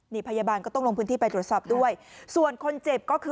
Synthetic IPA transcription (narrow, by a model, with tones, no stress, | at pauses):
niː˧˩pʰa˧jaː˧baː˧nkɔ˥˩t̪ɔ˥˩ŋlo˧ŋpʰɯː˦˥nt̪iː˥˩pa˧jt̪ɾu˨˩t̪̚sɔː˨˩p̚du˥˩əjsu˨˩ənkʰo˧nt͡ɕe˨˩p̚kɔː˥˩kʰɯː˧